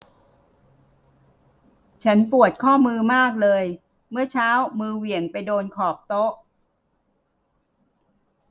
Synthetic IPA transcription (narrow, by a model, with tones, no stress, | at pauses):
t͡ɕʰa˦˥npu˨˩ət̪̚kʰɔː˥˩mɯː˧maː˥˩k̚lɤː˧j | mɯ˥˩ɐt͡ɕʰaː˦˥wmɯː˧wi˨˩əŋpa˧jdoː˧nkʰɔː˨˩p̚t̪o˦˥ʔ